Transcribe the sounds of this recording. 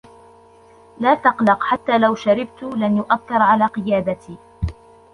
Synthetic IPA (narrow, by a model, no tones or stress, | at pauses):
laːt̪ɑqlɑqħat̪ːaːlawʃaɾɪbt̪ʊlanjʊʔaθːɪɾˤʕalaːqɨjaːd̪at̪iː